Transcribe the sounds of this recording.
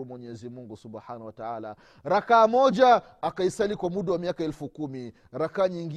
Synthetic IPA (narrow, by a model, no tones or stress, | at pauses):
mwɛɲɛzimuŋɡusubħanawataala̰ | ɾakaːmɔʄaː | kaisalikwamuɗawamiakaɛlfukumi | ɾakaːɲiŋɡ